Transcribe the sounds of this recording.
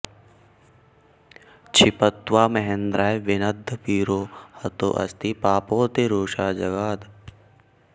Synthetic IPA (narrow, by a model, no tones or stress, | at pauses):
t͡ʃʰɪpət̪waːmɐɦẽnd̪ɾaːjʋɪnɐd̪ʱːpiːɾoːhɐt̪o̰ːʔɐ̰st̪ipaːpoːt̪eɾoːʃaːd͡ʒɐɡaːd̪